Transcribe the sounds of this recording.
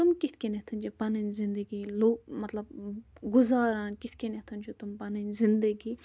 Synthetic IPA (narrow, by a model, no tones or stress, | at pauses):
t̪ʊmkɪt̪ʰkenet̪ʰɐnd͡ʒopɐnənzɪ̃nd̪əɡiːloːɡmɐt̪lɐb̚ɡʊzaːɾãːnkɪt̪ʰkenet̪ʰɐnd͡ʒot̪ʊmpɐnənzɪ̃nd̪əɡiː